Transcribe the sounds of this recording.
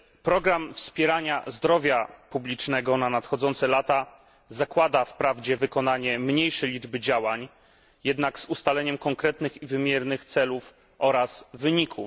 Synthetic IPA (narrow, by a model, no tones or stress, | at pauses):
pɾɔɡɾamfspʲjɛɾaɲazd̪ɾɔvʲjapublʲit͡ʂnɛɡɔnanat̪xɔd̪zɔnt̪sɛlat̪a | zakwad̪afpɾavd͡ʑɛvɘkɔnaɲɛmɲejʂɛjlʲid͡ʐbɘd͡ʑawaɲ | jɛd̪naɡsust̪alɛɲɛmkɔŋkɾɛt̪nɘxivɘmʲjɛɾnɘxt̪sɛluf | ʔɔɾasvɘɲikʰu